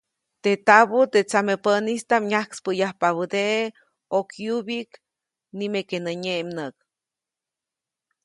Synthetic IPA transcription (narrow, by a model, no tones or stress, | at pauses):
t̪et̪aβut̪et͡samepənist̪amɲahkspəjahpaβəd̪eʔe | okjubik | nimekenəɲemnək̚